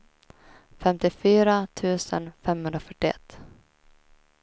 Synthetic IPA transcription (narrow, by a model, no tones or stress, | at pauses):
fɛmt̪ɪfyːɾat̪ʰʉ̟ːsə̰nfɛmhɵnd̪ɾafœʈːɪɛ̰t̪ː